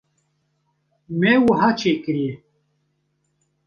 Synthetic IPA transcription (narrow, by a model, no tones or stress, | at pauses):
mewəɦaːt͡ʃʰeːkɨɾje